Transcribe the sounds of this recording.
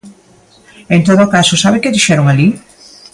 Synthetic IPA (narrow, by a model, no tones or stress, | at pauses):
ent̪oðoːkasosaβɪkeðiʃɛɾoŋali